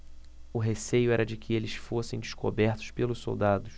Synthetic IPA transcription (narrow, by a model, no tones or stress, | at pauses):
ʊɦesejʊɛɾɐd͡ʒɪkʰɪelɪsfosẽj̃d͡ʒɪʃko̰bɛɾt̪ʊ̥ʃpelʊsso̰wd̪ad̪ʊs